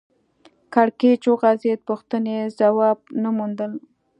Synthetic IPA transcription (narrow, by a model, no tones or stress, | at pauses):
kaɽket͡ʃoɣazet̪̚puxt̪ənezawɑb̚namund̪əl